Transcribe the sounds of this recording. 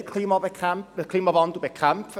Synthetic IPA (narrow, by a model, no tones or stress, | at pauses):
kʰl̥imɔbɛkʰrampɛkʰl̥imɔvɔndubɛkʰrampʰ